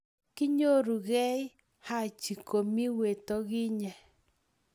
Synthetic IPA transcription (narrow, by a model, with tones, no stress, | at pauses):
kɪ˦ɲo˦ɾu˨ɣɛ˦i˦ | ha˦˨t͡ʃi˨ko˨mi˦we˨to˦ɣi˦ɲɛ˨